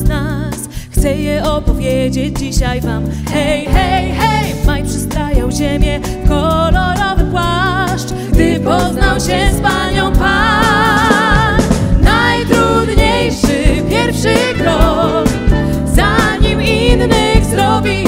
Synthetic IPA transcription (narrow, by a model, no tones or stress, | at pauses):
znasxt̪sɛjɛɔpɔvʲjed͡ʑed͡ʑd͡ʑiɕajvam | xɛjxɛjxɛjmajpʂɨst̪ɾajawʑemʲjɛ | kɔlɔɾɔvɨpwaʂt͡ʂ | ɡd̪ɘpɔznawɕɛspaɲɔ̃w̃pa | nnajt̪ɾud̪ɲejʂɘpʲjɛɾfʂɘkɾɔ | k | zaɲiminːɘɣzɾɔvʲi